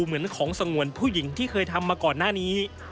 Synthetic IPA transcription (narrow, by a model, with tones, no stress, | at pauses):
mɯ˩˦ənkʰɔː˩˦ŋsa˧ŋu˨˩ənpʰuː˥˩ji˩˦ŋt̪ʰiː˥˩kʰɤː˧jt̪ʰa˧mːaː˧kɔː˨˩nːaː˥˩niː˦˥